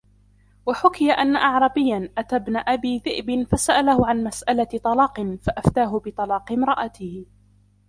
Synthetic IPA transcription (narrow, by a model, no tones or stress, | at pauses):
waħʊkɪjaʔanːaʔɑʕɾˤɑbɪjːanʔat̪aːbnaʔabiːðɪʔbɪnfasaʔalahʊʕanmasʔalat̪ˤɑlɑːqɨnfaʔaft̪aːɦʊbɨt̪ˤɑlɑːqɪmɾˤɑʔat̪ɪh